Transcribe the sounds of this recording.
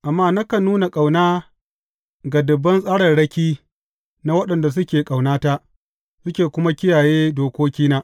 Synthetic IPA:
ʔa˨mːaː˦na˦kɐ˨nuː˦na˨kʼa˨wnaː˦ | ɡa˨dʊ˨bːɐ˦nsʼaː˦ɽɐ˨nɽɐ˦kʲiː˦ | na˦wɐ˦ɗɐ˨nda˨s̬ʊ˦kʲeː˨kʼa˨wnaː˦ta˦ʔ | sʊ˦kʲeː˨kʷʊ˦ma˦kʲɪ˦jaː˨jeː˦doː˨kʷoː˦kʲiː˦naː˦ʔ

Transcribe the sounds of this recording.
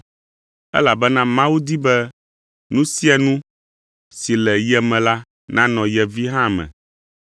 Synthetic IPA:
ɛ̰˦la˨bɛ˦nã˦mã˦wu˦d̪i˦bɛ˦ | nũ˦si˦ɛ˨nũ˦ | si˨lɛ˨jɛ˨mɛ̃˨la˦ | nã˦nɔ̃˨jɛ˨vi˦ɦã˦˨mɛ̰̃˨

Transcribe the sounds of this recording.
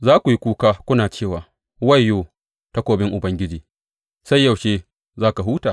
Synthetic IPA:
zaː˦kʷu˨ji˦kʷuː˦kaː˦kʷʊ˦naː˨t͡ʃeː˦˨waː˨ | wɐ˦˨jːoː˦˨ | ta˦kʷoː˨bɪ˦ŋʔʊ˨bɐ˦ŋɡʲɪ˦d͡ʒiː˨ | sa˦jːɐ˨wʃeː˦ | zaː˦ka˨ɦuː˦taː˨

